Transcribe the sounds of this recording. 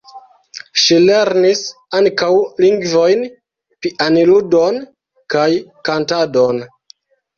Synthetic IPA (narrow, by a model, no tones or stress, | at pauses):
ʃile̞ɾnisaŋkawliŋɡvo̞jn | piʔaniludo̞n | kajkantado̞n